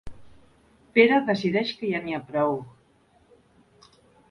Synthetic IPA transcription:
peɾəðəsiðɛʃkəjaniapɾɔw

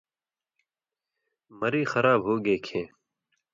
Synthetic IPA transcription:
məɾiːxəɾaːbɦoːɡeːkʰẽː

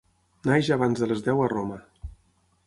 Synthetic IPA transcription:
najʒaβanzðələzðɛwəromə

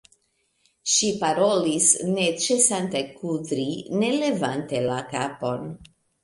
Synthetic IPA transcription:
ʃipaɾo̞lisnet͡ʃesant̪ajkud̪ɾine̞le̞vante̞lakapo̞n

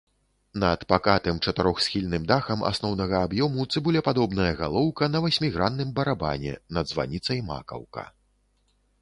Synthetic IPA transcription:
nɐt̪pakat̪ɨmt͡ʂɐt̪ɨɾɔxsʲxʲilʲnɨmd̪axɐmʔa̰snɔwnɐɣɐːbjɔmut̪sɨbulʲɛpad̪ɔbnɐjɐɣalˠɔwkɐnɐvasʲmʲiɣɾanːɨmbɐɾaba̰nʲɛ̰nɐd̪zva̰nʲit̪sɐjma̰kɐ̰wkɐ̰

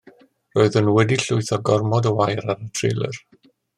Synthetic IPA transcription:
roɨðənwɛdiɬʊɨθɔɡɔrmɔdəwajɾaɾətʰrɪ̰lˠə̰r

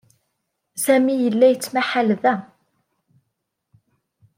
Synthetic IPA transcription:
sæmijəlːæjət͡sːmaħalðæ

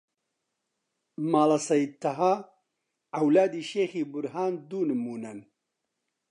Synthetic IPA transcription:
maːlɐsɐjt̪ːɐɦaː | ɐwlaːd̪iːʃeːxiːbʊɾɦaːnd̪uːnɨmuːnɐn

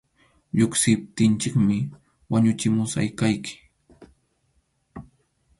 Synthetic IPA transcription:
ʎoksɪp̚t̪ɪnt͡ʃɪkmɪ | waɲʊt͡ʃɪmʊsa̰jkajkʰɪ̥

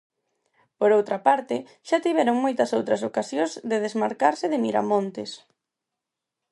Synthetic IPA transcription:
poɾowt̪ɾɐpaɾt̪ɪ | ʃat̪iβ̞ɛɾoŋmojt̪ɐsowt̪ɾɐsokasjõzðeð̞ezmaɾkaɾsɪðemiɾa̰mõnt̪es

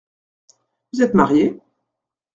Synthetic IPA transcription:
vuzɛt̪maʁje

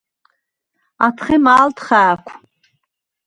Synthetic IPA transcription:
atʰχimaːltʰχaːkʷʰ

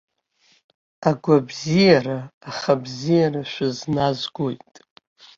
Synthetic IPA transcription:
aɡʷabzijaraːχabzijaraʃʷᶣaznazɡʷojtʼ

